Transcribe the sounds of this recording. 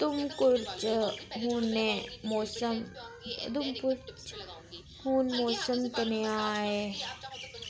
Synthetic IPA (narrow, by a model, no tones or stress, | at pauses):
t̪ʊmkʊɾt͡ʃɦuːnemoːsəmd̪umpʊɾt͡ʃ | huːnmoːsəmt̪ɐnejae